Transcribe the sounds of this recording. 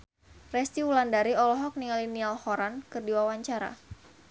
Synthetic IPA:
rɛst̪iwulandaɾiɔlɔɦɔk̚niŋalinialhɔɾankɨrdiwawaɲt͡ʃaɾa̰

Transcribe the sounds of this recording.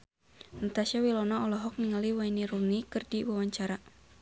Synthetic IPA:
nat̪asawilɔnaɔlɔɦɔk̚niŋaliwainiɾunikɨrdiwawaɲt͡ʃaɾa

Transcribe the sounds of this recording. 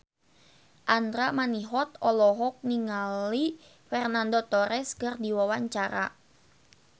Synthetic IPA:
ʔand̪ɾamaniɦɔt̪ɔlɔɦɔk̚niŋali | fɛrnandot̪ɔɾɛskərdiwawaɲt͡ʃaɾa

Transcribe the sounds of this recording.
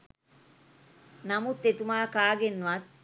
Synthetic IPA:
namut̪ːet̪umaːkaːɡenːuʋat̪̚

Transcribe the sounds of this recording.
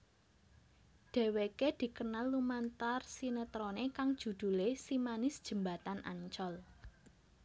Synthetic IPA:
ɖ̥e̤weked̪̥i̤kənalːumant̪arsinət̪ɾonekaŋd̥ʒ̥ṳd̪̥ṳlesimanɪsd̥ʒ̥ə̤mbat̪anʔa̰ɲt͡ʃɔl

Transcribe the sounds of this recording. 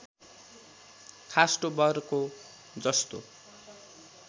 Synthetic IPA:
kʰasʈobʌrko | d͡zʌst̪o

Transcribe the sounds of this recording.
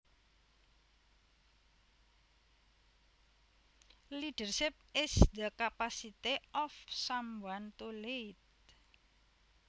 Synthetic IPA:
liɖ̥ərʃɪp̚ɪsd̪əkapasit̪eɔfsambuant̪olet̪

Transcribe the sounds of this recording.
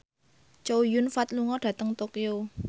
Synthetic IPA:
t͡ʃowjunfat̪̚luŋɔdɖ̥ä̤t̪əŋt̪okeo

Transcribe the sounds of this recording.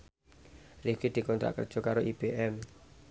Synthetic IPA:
riɡ̥id̪̥i̤kɔnt̪ɾa̰ʔkə̰rd̥ʒ̥ɔ̤kaɾoʔib̥eʔɛm

